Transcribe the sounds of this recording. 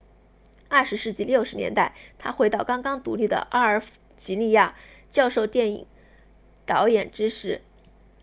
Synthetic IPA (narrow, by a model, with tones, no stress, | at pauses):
ɐ˞˥˩ʂɻ̩˧˥ʂɻ̩˥˧t͡ɕi˥˧ljo˥˩ʊʂɻ̩˧˥njɛ̰˧˥nt̪a˥˩ɪt̪ʰa˥xwe˧˥ɪt̪ɑ˥˩ʊkɑ˥ŋkɑ˥ŋt̪ṵ˧˥li˥˩d̪ə̰˩ʔɑ˥ə˞˧˥ft͡ɕi˧˥li˥˧ja˥˩t͡ɕjɑ˥˧ʊʂo˥˧ʊt̪jɛ˥˩nḭ˨˩˦ŋ | t̪ɑ˧˥ʊjɛ˨˩nʈ͡ʂɻ̩˥ʂɻ̩˧˥